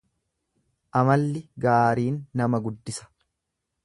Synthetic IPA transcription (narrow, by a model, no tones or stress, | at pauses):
ʔɐmɐlːɪɡaːɾiːnːɐmɐɡʊd̪ːɪsɐ̥